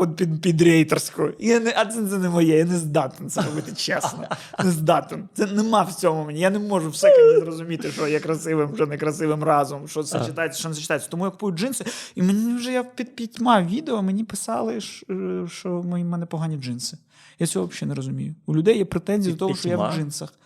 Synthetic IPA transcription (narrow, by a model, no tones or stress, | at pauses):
ɔd̪pʲid̪pʲid̪ɾʲɛjt̪ersʲkʊʊijanɛʔɐt̪sɛnt̪ɛnɛmɔjɛjanɛzd̪ɑt̪ɪnt̪sɛɾɔbɪt̪ɪt͡ʃɛsnɔnnɛzd̪ɑt̪ɪnt̪sɛnɛmɑwt͡sʲɔmmʊmɛnʲijanɛmɔʐʊwsɛizɾɔzʊmʲit̪ɪʃt͡ʃɔjɛkɾɐsɪʋɪmʒɛnɛkɾɐsɪʋɪmrɑzʊmɔmʃt͡ʃɔt̪sɛt͡ʃɪt̪ajet͡sʲːɐʃɔnɛsɐt͡ʃɪ̥t̪ajɪt͡sʲːɐ̥t̪ɔmujɐkʊpujʊt̚ʲd͡ʒɪnsɨimenʲiiwʒɛjapʲid̪̚pʲitʲmɑʋʲid̪eɔmenʲipɪsɑlˠɪʃʃt͡ʃɔmɔjimɛnɛpɔɦanʲid͡ʒɨnsɪ̥ | jat͡sʲɔɦɔʋɐpʃʲɛnɛɾɔzʊmʲḭjʊulʲʊd̪ɛjjɛpɾet̪ɛnʲzʲid̪ɔt̪ɔɦɔʃt͡ʃɔjaʒɪnsɐx